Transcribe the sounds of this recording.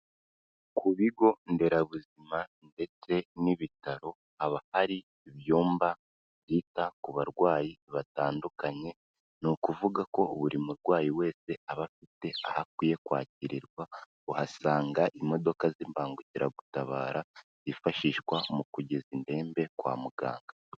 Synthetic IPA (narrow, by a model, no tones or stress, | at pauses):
kuβiɡo̞nde̞ɾaβuzimande̞t͡se̞niβitaɾo̞ | aβahaɾiː | βjoːmba | βjiːtakuβaɾɡwaːjiβataːndukaɲe̞ | nukuvuɡako̞ːβuɾimuɾɡwaːjiwe̞ːse̞aβafite̞ahak̚wiːje̞kwa̰ːciɾiɾɡwa | uhasaːŋɡaʔimo̞do̞kaziːmbaːŋɡuciɾa̰ɡutaβa̰ːɾaz̥ifaʃiːʃwamukuɟezinde̞ːmbe̞kwa̰ːmuɡa̰ːŋɡa